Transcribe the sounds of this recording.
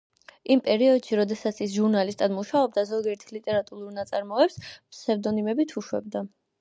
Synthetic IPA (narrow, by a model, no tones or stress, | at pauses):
impʼɛɾiɔd̪̥ʃiɾɔd̪ɛsat̪sʰis̬ʒuɾnalist̪ʼad̪muʃaɔb̚d̪azɔɡiɛɾt̪ʰilit̪ʼɛɾat̪ʼuɾuɾnat̪sʼaɾmɔɛpspʰsɛvd̪ɔnimɛbit̪ʰuʃwɛ̰bd̪a